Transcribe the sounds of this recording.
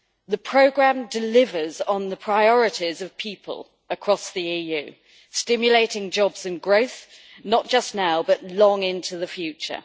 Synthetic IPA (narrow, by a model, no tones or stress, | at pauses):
ðəpʰɹ̥əʊɡɹãmdɪlɪvəzn̩ðəpʰɹ̥aɪɒɹɪtʰizəv̥pʰiˑpʰə̰l | əkʰɹ̥ɒsðiiːjʉː | stɪ̃mjəleɪtɪ̃ŋd͡ʒɒbz̥ə̃nɡɹəʊθ | nəʔ̚d̥ʒ̥ʌsnaʊbʌʔlɒ̃ŋɪ̃ntʰuðəfjʉˑt͡ʃə̰